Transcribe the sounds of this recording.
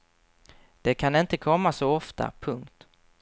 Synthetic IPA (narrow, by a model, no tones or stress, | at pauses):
d̪̥ɛkʰanɪnt̪əkʰɔmːasɔɔft̪ʰa̰pʰɵŋkt̪